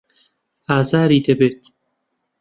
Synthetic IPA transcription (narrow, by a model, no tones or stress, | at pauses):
aːzaːɾiːd̪ebet̪